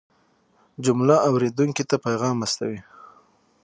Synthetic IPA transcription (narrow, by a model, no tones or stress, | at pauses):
d͡ʒʊmlaawɾed̪uŋkit̪apajɣɑmast̪a̰wi